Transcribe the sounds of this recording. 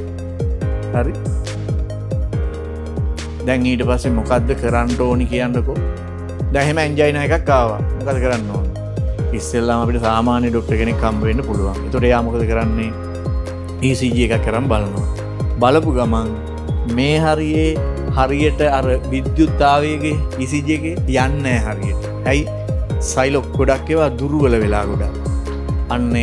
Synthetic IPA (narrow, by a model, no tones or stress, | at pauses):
haɾi | d̪ɛŋiːʈəpasːemokad̪ːəkəɾanʈoːnikijanɖəko | d̪ɛɦeməeɲd͡ʒajnaːjekakːaːʋa̰mokad̪ːəkəɾanːoːnə | isːellamapiʈəsaːmaːnjəɖok̚ʈəɾkenekːambəʋenːəpuluʋa̰ŋet̪əkəʈəejaːmokəd̪əkəɾanːe | iːsiːd͡ʒiekakːeɾambalanoʋa̰ | baləpuɡamaŋ | meːɦaɾijehaɾijəʈəaɾəʋid̪jut̪ːaːʋejeɡeiːsiːd͡ʒieɡejanːɛːɦaɾijəʈə | ɛj | sajlokɡoɖakːeʋad̪uɾuʋələʋela̰ːɡoɖa̰ | anːe